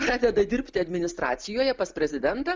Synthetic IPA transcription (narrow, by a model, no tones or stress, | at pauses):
pɾɑːd̪ʲɛd̪ɐd̪ʲɪɾʲpʲt̪ʲɪɐd̪ʲmʲɪnʲɪst̪ɾɑ̰ːt̪sʲɪjoːjɛpɐspʲɾʲɛzʲɪd̪ʲɛnt̪ɐ